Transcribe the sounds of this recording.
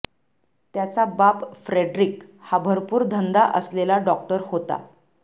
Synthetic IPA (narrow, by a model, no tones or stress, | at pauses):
t̪jat͡sabapfɾeɖɾikhabʱəɾpuːɾd̪ʱənd̪aʔəslelaɖɔk̚ʈəɾhot̪a̰